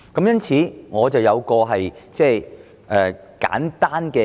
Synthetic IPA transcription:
kɐ˨˥mjɐ˥nt͡sʰiː˨˥ŋɔː˨˧t͡sɐ˨wjɐ˨˧wkɔː˧ɦɐ˨jt͡sɛː˥˩j | ʔɛː˨˩ | ka̰ː˨˥nt̪aː˥nkɛː˧

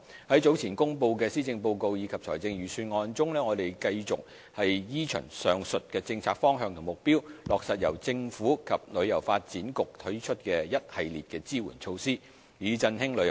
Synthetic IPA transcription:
hɐ˨˥jt͡so˨˥wt͡sʰiː˨˩nkʊ˥ŋpo˧wkɛː˧siː˥t͡sɪ˧ŋpo˧wko˧wjiː˨˧kʰɐ˨p̚t͡sʰɔ̰ː˨˩jt͡sɪ˧ŋɥyː˨˩syː˧nŋɔː˧nt͡sʊ˥ŋlɛː˥ŋɔː˨˧t̪e˨˩jkɐ˧jt͡sʊ˨k̚ | hɐ˨jjiː˥t͡ʃʰœ̰˨˩ŋsœː˨ŋsɵ˨t̚kɛː˧t͡sɪ˧ŋt͡sʰaː˧k̚fɔː˥ŋɦœː˧ŋt̪ʰʊ˨˩mʊ˨k̚piː˥wlɔː˨k̚sɐ˨t̚jɐ̰˨˩wt͡sɪ˧ŋfuː˨˥kʰɐ˨p̚lɵ˨˧ɥjɐ˨˩wfaː˧t̚t͡siː˨˥nkʊ˨k̚t̪ʰɵ˨˥ɥt͡ʃʰɵ˥t̚kɛː˧jɐ˥t̚hɐ˨jliː˨t̚kɛː˧t͡siː˥wṵ˨˩nt͡ʃʰo˧wsiː˥ | jiː˨˧t͡sɐ˧nhɪ˥ŋlɵ˨˧˥j

